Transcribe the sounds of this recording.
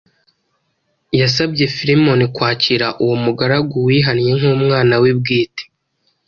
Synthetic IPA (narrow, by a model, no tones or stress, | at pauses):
jas̬abɟe̞fiɾimo̞nikwaːciɾaʔuwomuɡaɾaɡuwiɦanje̞ŋumŋaːnawib̚ɡiːte̥